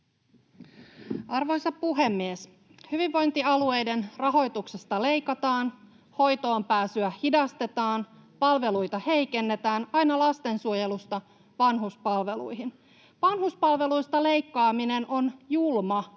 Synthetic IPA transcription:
ɑrʋo̞jsɑppuɦe̞mːies | hyʋiʋːo̞jnt̪iɑlue̞jde̞nrɑɦo̞jt̪ukse̞st̪ɑle̞jkɑt̪ɑːn | ho̞jt̪o̞ːmpæːsyæhidɑst̪e̞t̪ɑːnpɑlʋe̞lujt̪ɑhe̞jke̞nːe̞t̪æːnɑjnɑlɑst̪e̞nsuoje̞lust̪ɑ | ʋɑnɦuspɑlʋe̞lṵjɦin | ʋɑnɦuspɑlʋe̞lujst̪ɑle̞jkːɑːmine̞nʔo̞njulmɑ

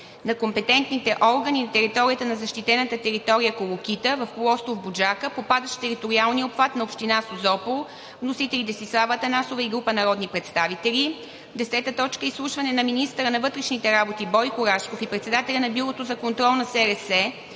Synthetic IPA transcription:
nɐkompɛt̪ɛnt̪nit̪ɛʔɔɾɡəninɐt̪ɛɾit̪ɔɾiət̪ənɐzɐʃt̪it̪ɛnət̪ət̪ɛɾit̪ɔɾijəkolˠok̟it̪əvɐfkolˠɔst̪ovbod͡ʒakəpopad̪əʃt̪ɛɾit̪oɾialˠniopfat̪nɐopʃt̪inasozɔpolˠ | vnosit̪ɛlʲit̪ɛsislˠavət̪ənasovəiɡɾupənɐɾɔd̪nipɾɛt̪st̪avit̪ɛlʲi | d̪ɛsɛt̪ət̪ɔt͡ʃkəislˠuʃvɐnɛnɐminist̪əɾənɐvɤt̪ɾɛʃnit̪ɛɾabot̪ibɔjkʊɾaʃkofipɾɛt̪sɛd̪at̪ɛlʲɐnɐbjuɾˠot̪ozɐkont̪ɾɔlˠnɐsɛɾɛsɛ

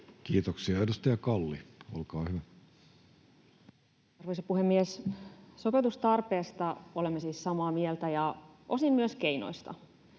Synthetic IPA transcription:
kiːt̪oksiɑedust̪ɑjɑkɑlːḭolkɑːhyʋæ | ɑrʋeisɑpuhemːiesso̞pet̪ust̪ɑrpeːst̪ɑo̞lemːesiːssɑmɑːmielt̪æjɑʔosimmyøskeino̰jst̪ɑ̰

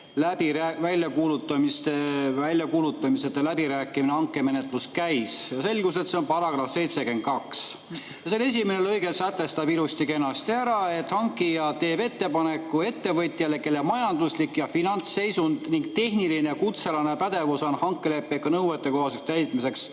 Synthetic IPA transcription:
læbiɾævælʲjɑkuːlut̪ːˑɑmist̪evælʲjɑkuːlut̪ːˑɑmise̞t̪ːˑelæbiɾæːkˑːiminehɑŋkːe̞me̞ne̞t̪ˑluskæjsjɑse̞lɡ̥us̬e̞t̪seonpɑɾɑɡ̥rɑfse̞jt̪se̞kent̪̚kɑks | jɑsene̞s̬ʲimenelɤjɡesæt̪ːˑe̞st̪ɑbilust̪ike̞nːɑst̪iæɾɑe̞t̪ːˑhɑŋkːˑijɑt̪e̞ːpe̞t̪ːe̞pɑne̞kːue̞t̪ːe̞vɤt̪ʲˑjɑle̞ke̞lːemɑjɑnd̪̥uslikːjɑfinɑnt̪sːe̞jsund̪̥niŋɡt̪e̞hniline̞kut̪se̞lɑnepæd̪̥e̞vusonhɑŋkːele̞pːekːunɤwet̪ːˑe̞ko̞ɦhɑsekst̪æjt̪ˑmise̞ks

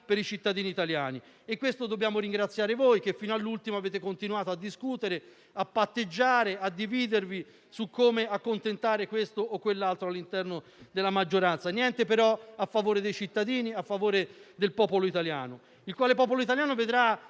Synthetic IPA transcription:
peɾit͡ʃit̪ːad̪iːniːt̪aljaːni | ekːwest̪od̪obːjaːmoɾiŋɡɾat̪sːjaːɾevojk̟efːiːnoalːult̪imoaveːt̪ekont̪inuaːt̪oad̪ːiskut̪eɾe | apːat̪ːed͡ʒːaːɾead̪ːiviːd̪ervi | sukːoːmeakːont̪ent̪aːɾekwest̪oʔːkːwelːalt̪ɾoalːint̪ɛrno | d̪elamad͡ʒːoɾant̪sanjɛnt̪epeɾɔafːavoːɾed̪ejt͡ʃit̪ːad̪iːniafːavoːɾed̪elpɔːpoloit̪alja̰ːno | ilkwaːlepɔːp̬oloit̪aljaːnoved̪ɾa

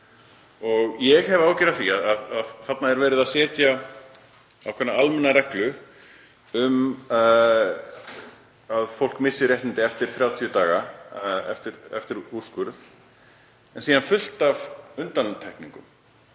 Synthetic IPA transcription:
ɔɣjɛɣhɛvaːwcɪɾaθiaðaðaðθat̪naɛɾvɛːɾɪðasɛːt̪ja | a̰wkʰɛnːaalmɛnːarɛklʏ | ʏm | aðfowl̥kmɪsːɪɾjɛh̪nɪnt̪ɪɛft̪ɪɾ̥θɾjaːwt̪ʰiʏt̪aːɣaɛ̰ft̪ɪɾɛ̰ft̪ɪɾuɾ̥skʏɾð | ɛnsiːðanfʏl̥t̪av̥ʏnt̪ant̪ʰɛhkniŋkʏ̰m

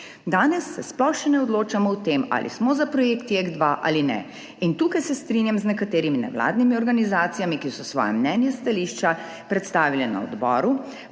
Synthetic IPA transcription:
d̪aːnɛsːɛsplɔwxʃɛnɛɔd̪loːt͡ʃamɔwt̪eːma̰lʔḭsmɔzapɾɔjeːkt̪jeɡd̪ʋaʔa̰linɛ̰ | int̪uːkajsɛst̪ɾinjamznɛkat̪eːɾiminɛ̰wla̰ːd̪nimiɔɾɡanizaːt̪sijamikiwsɔsʋɔ̰ːjɛ̰mnɛːnjɛst̪aliːʃt͡ʃa | pɾɛt̪st̪aːʋilɛna̰ɔ̰d̪bɔ̰ːɾu

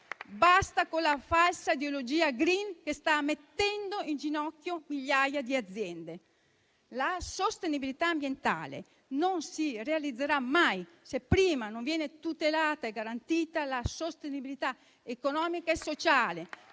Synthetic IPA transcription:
bast̪akolafalsaid̪eolod͡ʒiːaɡɾinkest̪amet̪ːɛnd̪oind͡ʒinɔkːjomiʎːajad̪iad̪zːjɛnd̪e | lasost̪enibilit̪aːmbjent̪a̰ːlḛ | nonsirealid̪zːeɾamːaj | sepːɾiːmanoɱvjɛːnet̪ut̪elaːt̪aeɡːaɾant̪iːt̪alasost̪enibilit̪a | ekonɔːmikaesot͡ʃaːle

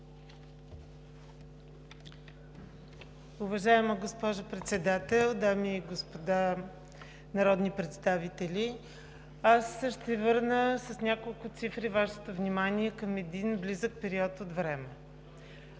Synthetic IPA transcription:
ʊvɐʒaɛməɡospɔʒʊpɾɛt̪sɛd̪at̪ɛlˠd̪amiːɡospod̪a | nɐɾɔd̪nipɾɛt̪st̪avit̪ɛlʲi | asʃt̪ɛvɤɾnəsɐsnʲakolˠkʊt̪sifɾivaʃɛ̥t̪ovnʲimaniɛkɐmɛd̪inblizək̚pɛɾiɔt̪ot̪vɾɛmɛ

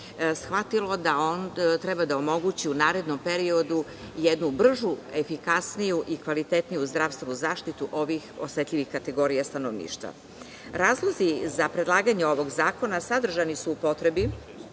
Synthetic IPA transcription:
sxʋat̪ilo̞d̪aont̪ɾɛbad̪aomo̞ɡut͡ɕiunaːɾe̞d̪no̞mpe̞ɾio̞d̪u | jed̪nubr̩ʒuefikasnijuʔikʋalit̪et̪nijuzd̪ɾafst̪ʋenuzaːʃt̪it̪uʔo̞ʋixo̞set̪ʎʲiʋixkat̪e̞ɡo̞ɾijast̪anoʋnḭːʃt̪ʋa̰ | ɾaːzlˠo̞zizapɾe̞d̪lˠaːɡaɲeo̞ʋo̞ɡzaːko̞nasad̪r̩ʒanisuːpo̞t̪ɾe̞bi

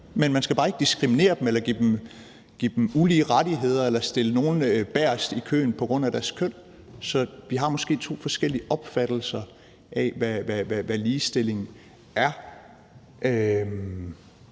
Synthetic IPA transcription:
menmænsɡ̥æbɑ̈ːe̝ɡ̥əd̥isɡ̥ʁimine̝̰ːɐd̥emelɐɡ̥id̥em̩ | ɡ̥ḭd̥muliːʁɑdiɦe̝ð̞̰ˠɐelɐsd̥e̝ləno̝ːn̩øb̥æɐ̰sd̥ikʰø̰ːn̩pʰɒ̽ɡ̥ʁɔ̽n̰æɾ̥æɐskʰœn̰ | sɒ̽ʋiɦɑ̈mɒ̽sɡ̥e̝̰ːt͡sʰo̝̰ːfɒ̽sɡ̥el̰iəʔɒ̽b̥fæd̥l̩sɐ | ʔɛʋæʋæʋæʋæliːsd̥e̝le̝ŋn̩ | æɐ | ʔø

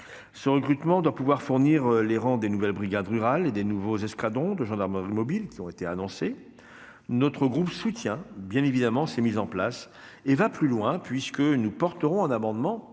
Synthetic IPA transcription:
səʁəkχyt̪mɑ̃d̪wapuvwaʁfuʁniʁleʁɑ̃d̪enuvɛlbʁiɡʲad̪ʁyʁaled̪enuvozɛskad̪ɔ̃d̪əʒɑ̃d̪aʁmɑ̃ʁimɔbilkʲiɔ̃et̪eanɔ̃se | nɔt̪χəɡʁupsut̪jɛ̃bjɛ̃nevid̪amɑ̃sɛmizɑ̃plas | evaplylwɛ̃pɥiskənupɔʁt̪əʁɔ̃ɛ̃namɑ̃d̪mɑ̃

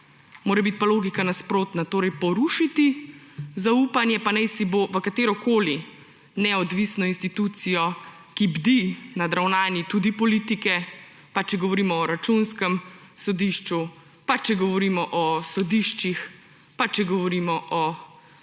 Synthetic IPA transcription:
moːɾɛbit̪̚paloːɡikanaspɾoːt̪nat̪oːɾɛjpɔɾuʃit̪izaupanjɛpanɛjsiboʋəkat̪eːɾɔkoːli | nɛɔd̪ʋisnɔinst̪it̪ut̪sijɔ | kibd̪inad̪ɾawnaːnjit̪ud̪ipɔliːt̪ikɛ | pat͡ʃɛɡɔʋɔɾiːmɔːɾat͡ʃunskəmsɔd̪iʃt͡ʃu | pat͡ʃɛɡɔʋɔɾiːmɔʔɔsɔd̪iʃt͡ʃix | pat͡ʃɛɡɔʋɔɾimɔʔɔ

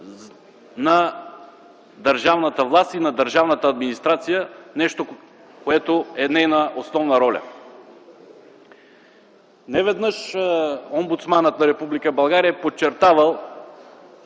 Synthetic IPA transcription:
nɐ | d̪ɐɾʒavnət̪əvlˠast̪inɐd̪əɾʒavnət̪əːd̪minist̪ɾat̪sijənɛʃt̪o | koɛt̪oɛnɛjnəʔosnɔvnəɾɔlʲə̰ | nɛvɛd̪nəʃ | ombut̪smanət̪nɐɾɛpublikəbɐlˠɡaɾiɛpot͡ʃːɛɾt̪avəlˠ

